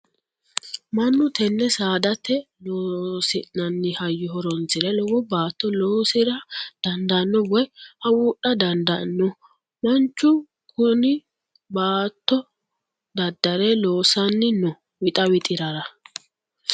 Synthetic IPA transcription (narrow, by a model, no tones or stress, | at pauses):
mɐnːʊt̪ɛnːɛsaːd̪ɐt̪ːɛ | loːsɪnɐnːɪhɐjːɔhɔɾɔnt͡sɪɾɛlɔwɔbaːt̪ːɔloːsɪɾɐd̪̥ɐnd̪ɐnːɔwɔjhɐwuːɗɐd̪ɐnd̪ɐnːɔ | mɐnt͡ʃːʊ | kʰʊnɪ | baːt̪ːɔ | d̪ɐd̪ːɐɾɛloːsɐnːɪnɔ | wɪt̪ʼɐwɪt̪ʼɪɾɐɾɐ